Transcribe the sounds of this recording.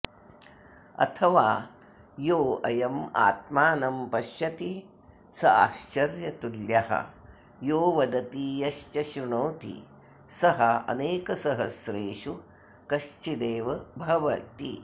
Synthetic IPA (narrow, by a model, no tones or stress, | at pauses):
ɐ̰t̪ʰɐʋaː | joːɐjɐma̰ːt̪maːnɐmpɐʃjɐt̪i | sɐaːʃt͡ʃɐɾjɐt̪uljɐɦɐ̰ | joːʋɐd̪ɐt̪ijɐʃt͡ʃɐʃɾuɳɐwt̪ḭ | sɐɦɐɐ̰neːkɐsɐɦɐsɾeːʃu | kɐʃt͡ʃid̪eːʋɐbʱɐʋɐt̪ḭ